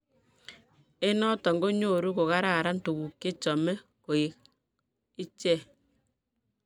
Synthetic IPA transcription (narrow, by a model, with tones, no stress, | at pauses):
e˦nɔ˦tɔ˨ŋɡo˦ɲo˦˨ɾu˦ko˨ka˦ɾa˨ɾa˦nto˨ɣu˨kːe˦t͡ʃɔ˨mɛ˦ | ko˨e˨˦k | ɪ˦t͡ʃɛ˦˨